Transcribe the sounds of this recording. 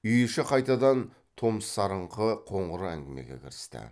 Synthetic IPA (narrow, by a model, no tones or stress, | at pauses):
ʏjɪʃɪqʰɑjt̪ɑd̪ɑn | t̪ʰo̞məsːɑɾəɴqʰəqʰo̞ɴʁəɾəæ̰ŋɡʲɪme̞̰ɡʲe̞̰kʲʰɪɾɪst̪ɪ̰